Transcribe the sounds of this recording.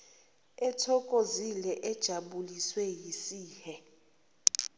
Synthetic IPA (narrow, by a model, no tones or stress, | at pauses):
ɛtʰɔkʼozilɛʔɛd̥ʒ̥ʱaɓuliswɛjisiːhɛ